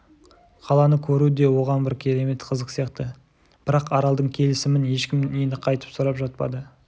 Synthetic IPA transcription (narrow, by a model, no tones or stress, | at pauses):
qʰɑlˠɑnəkʲʰɵɾud̪e̞wo̞ʁɑnbɪɾkʲʰe̞ɾe̞me̞t̪qʰəzəqsijɑqt̪ə | b̥ɪɾɑqɑɾɑlˠd̪əɴkʲʰe̞lɪsɪmɪnje̞ʃkʲɪmnenɪqʰɑjt̪ə̥psʊɾɑpʒɑt̪̚pɑ̰d̪ə